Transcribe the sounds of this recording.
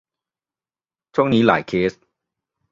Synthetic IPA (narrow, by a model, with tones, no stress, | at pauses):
t͡ɕʰu˥˩əŋniː˦˥la̰ː˩˦jkʰeː˦˥s̚